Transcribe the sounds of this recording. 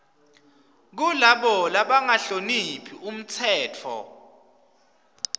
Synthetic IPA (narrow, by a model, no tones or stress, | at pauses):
k̬ulaɓɔlaɓaŋaɬonipʰium̩t͡sʰɛːtʰɔ̰